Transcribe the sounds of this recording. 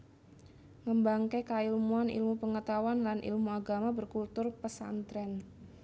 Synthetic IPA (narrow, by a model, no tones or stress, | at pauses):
məmbaŋkekailmuanḭlmupəŋət̪awanlanʔḭlmuaɡamabərkult̪ʊrpəsa̰nt̪ɾɛn